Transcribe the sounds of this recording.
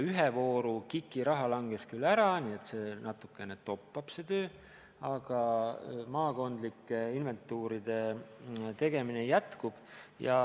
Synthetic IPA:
yɦevo̞ːɾukikːˑiɾɑɦɑlɑŋɡ̥e̞skylːæɾɑniːe̞t̪se̞ːnɑt̪ːˑukːˑe̞net̪o̞pːɑb̥se̞t̪øː | ɑɡ̥ɑmɑːko̞nd̪likːeinve̞nt̪ːˑuːɾid̪̥e̞ | t̪e̞ɡ̥e̞minejæt̪kub̥jɑ̰

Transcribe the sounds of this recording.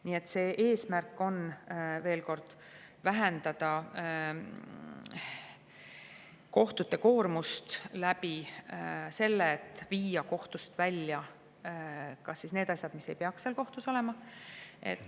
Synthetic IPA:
niːe̞t̪ːˑse̞ːʔe̞ːsmærkːo̞nve̞ːlko̞rd̪̥ | væɦɛnd̪ɑd̪̥ɑ | ko̞ht̪ut̪ːe̞ko̞ːrmust̪læbi | se̞lːeːt̪ːˑviːjɑko̞ht̪ust̪vælʲjɑ | kɑsːisne̞ːd̪̥ɑsʲjɑd̪̥mise̞jpe̞ɑksselko̞ht̪uso̞le̞mɑḛt̪ːˑ

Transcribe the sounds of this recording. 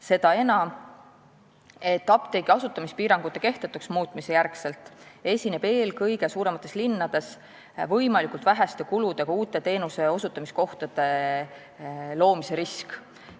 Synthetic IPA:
se̞d̪̥ɑe̞nɑm | e̞t̪ːɑpt̪ejɡiɑsut̪ːˑɑmispiːɾɑŋɡ̥ut̪ːˑeke̞ht̪et̪ːuksmuːt̪ːˑmise̞jærkse̞lt̪ˑe̞sʲine̞b̥e̞ːlkɤjɡe̞suːɾe̞mɑt̪ːˑe̞slinːɑd̪̥e̞s | vɤjmɑlikˑult̪væɦæst̪e̞kulud̪̥e̞kɑuːt̪ːˑe̞t̪e̞ːnuse̞o̞sut̪ːˑɑmisko̞ht̪ɑd̪̥e̞ | lo̞ːmise̞ɾisk

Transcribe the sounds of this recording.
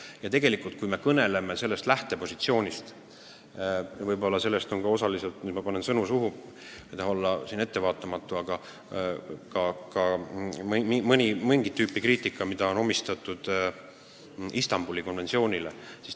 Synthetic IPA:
jɑt̪e̞ɡe̞likˑult̪̚kujme̞kɤne̞le̞me̞se̞lːe̞st̪læht̪e̞po̞sit̪sio̞ːnʲist̪ | vɤjbo̞lːɑse̞lːest̪o̞nkɑo̞sɑliselt̪mid̪mɑpɑne̞nsɤnusuɦu | jt̪ɑhɑo̞lːɑsiːne̞t̪ːe̞vɑːt̪ːˑɑmɑt̪ːˑuɑɡ̥ɑ | kɑkɑmmimɤnʲimeŋɡ̥it̪ːyːpːˑikriːt̪ˑikːˑɑmid̪̥ɑo̞no̞mist̪ɑt̪ːˑud̪̥ | ist̪ɑmb̥ulʲiko̞nvensio̞ːnʲile̞̰si̥s

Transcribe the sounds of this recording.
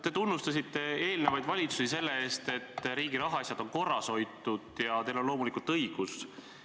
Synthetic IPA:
t̪e̞t̪unːust̪ɑsit̪ːe̞e̞ːlnevɑjd̪vɑlʲit̪susise̞lːe̞e̞ːst̪e̞t̪ːɾiːɡiɾɑɦɑɑsʲjɑd̪̥o̞nko̞rːɑso̞jt̪ːˑud̪̥jɑt̪e̞jlo̞nlo̞ːmulikˑult̪ɤjɡ̥us

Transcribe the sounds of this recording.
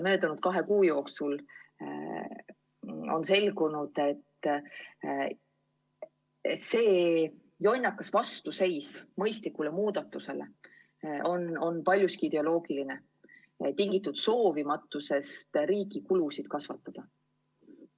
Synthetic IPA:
mø̞ːt̪ɑnud̪̥̚kɑɦe̞kuːjo̞ːksul | o̞̰nse̞lɡunud̪̥e̞t̪ː | se̞ː | jo̞nʲːɑkːˑɑsvɑst̪use̞jsmɤjst̪likːˑulemuːd̪ɑt̪ːˑuse̞le̞̰ | ʔo̞no̞npɑlʲjuskiid̪̥e̞o̞lo̞ːɡ̥iline̞ | t̪iŋɡit̪ːˑud̪̥so̞ːvimɑt̪ːˑuse̞st̪riːɡikulusid̪̥kɑsvɑt̪ːˑɑd̪̥ɑ

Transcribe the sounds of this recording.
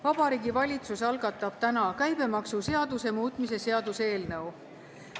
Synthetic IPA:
vɑb̥ɑɾiːɡivɑlʲit̪susɑlɡɑt̪ːˑɑb̥t̪ænɑkæjb̥e̞mɑksuse̞ɑd̪use̞muːt̪ˑmis̬e̞se̞ɑd̪̥use̞ːlnɤw

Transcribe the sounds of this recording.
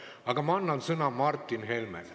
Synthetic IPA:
ɑɡ̥ɑmɑɑnːɑnsɤnɑmɑrt̪ːˑinɦelmḛl

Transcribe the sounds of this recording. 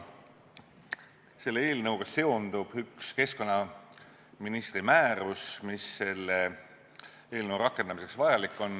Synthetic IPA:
se̞lːee̞ːlnɤwɡ̥ɑse̞ond̪ub̥ykske̞sko̞nːɑ | minist̪rimæːɾusmisːe̞lːe | e̞ːlnɤwrɑkːˑe̞nd̪ɑmise̞ksvɑjɑlikːˑo̞n

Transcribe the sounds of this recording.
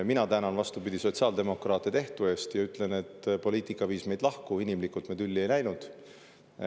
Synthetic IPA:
minɑt̪æːnɑnvɑst̪upid̪̥iso̞t̪ʲsɑːld̪e̞mo̞krɑːt̪ːˑet̪e̞ht̪ue̞ːst̪jɑyt̪ːˑle̞ne̞t̪ːpo̞lʲiːt̪ːˑikːˑɑviːsme̞jd̪̥lɑhkuinimlikult̪med̪ylʲːie̞jnæjnud̪̥

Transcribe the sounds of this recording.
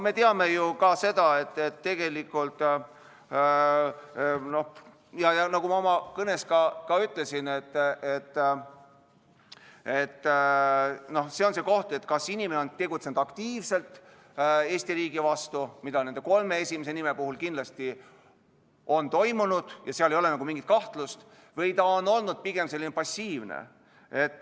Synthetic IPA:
me̞t̪eɑme̞jukɑse̞d̪ɑe̞t̪ːet̪ːe̞ɡ̥e̞likːˑult̪ | no̞h | jɑjɑnɑkumɑo̞mɑkɤne̞skɑkɑyt̪ːˑle̞sinet̪ːet̪ːˑ | e̞t̪ː | no̞hse̞o̞nse̞ːko̞ht̪e̞t̪ːˑkɑsinimeneont̪e̞ɡut̪se̞nud̪̥ɑkt̪iːvse̞lt̪ːˑ | e̞ːsʲt̪iɾiːɡ̥ivɑst̪umid̪ɑne̞nd̪e̞ko̞lme̞e̞sʲimes̬e̞nime̞puɦulkind̪lɑst̪i | o̞nt̪o̞jmunud̪̥jɑseɑlejoe̞nɑɡumiŋɡ̥it̪̚kɑht̪lust̪ | vɤjt̪ɑonːo̞lnud̪̥̚piɡ̥e̞mse̞lːinepɑsʲiːvnḛ | e̞t̪ːˑ

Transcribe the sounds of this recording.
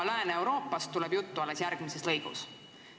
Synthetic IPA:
læːneewɾo̞ːpːˑɑst̪ːuleb̥jut̪ːuɑlːesjæɾɡ̥mise̞slɤ̞jɡ̥ṵs

